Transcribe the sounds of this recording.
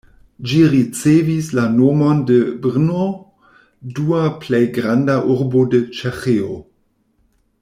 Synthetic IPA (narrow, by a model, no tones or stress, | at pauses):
d͡ʒiɾit͡sevislanomondebɾno | duaplejɡɾandaʔuɾbode̞t͡ʃexeo